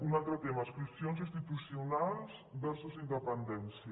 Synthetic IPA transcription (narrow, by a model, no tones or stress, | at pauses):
unalt̪ɾot̪emasklusjonsĩnst̪it̪usjonalsbɛɾsusind̪epend̪ɛnsjɐ